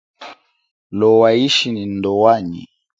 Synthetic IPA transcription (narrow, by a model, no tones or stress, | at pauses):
lɔwaiʃinindɔwaɲḭ